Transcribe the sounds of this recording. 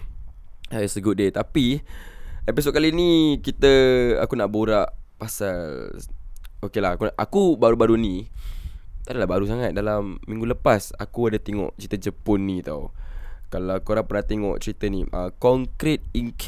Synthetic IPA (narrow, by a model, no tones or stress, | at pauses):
sajsəɡuʔdət̪api | episɔt̪̚kalinikit̪əa̰kunaʔbuɾaʔpasall | okelaakuʔakubaɾubaɾunĩ | t̪aʔdalabaɾus̬aŋat̪̚dalamːĩŋɡuləpasa̰kuadat̪eŋɔ̰ʔt͡ʃɾit̪ad͡ʒəpʊnːĩt̪a̰wkalakuoɾaŋpərnat̪eŋɔ̰ʔt͡ʃɾit̪ənḭʔəkɔŋkɾit̪̚iŋk